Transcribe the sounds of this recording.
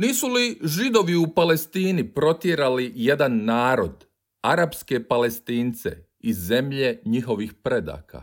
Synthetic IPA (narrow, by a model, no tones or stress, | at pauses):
niːsuliʒid̪o̞ʋiupale̞st̪iːnipɾo̞t̪jeɾalije̞d̪anːaːɾo̞d̪ | aɾapske̞pale̞st̪iːnt̪se̞̰ | izːe̞mʎe̞ɲixo̞ʋixpɾe̞d̪a̰ːka̰